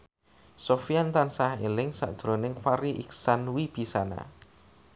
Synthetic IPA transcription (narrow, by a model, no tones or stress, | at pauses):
sofiant̪ansahelɪŋsa̰ʔd̥ʒ̥ɾonɪŋfaɾiʔḭksanwib̥i̤sana̰